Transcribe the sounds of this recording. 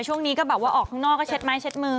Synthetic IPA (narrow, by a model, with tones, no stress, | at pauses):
t͡ɕʰu˥˩əŋniː˦˥kɔː˥˩bɛː˨˩p̚waː˥˩ʔɔː˨˩k̪̚ʰaː˥˩ŋnɔː˥˩kːɔː˥˩t͡ɕʰe˦˥t̪̚maː˦˥jt͡ɕʰe˧˦˥t̪̚mɯː˧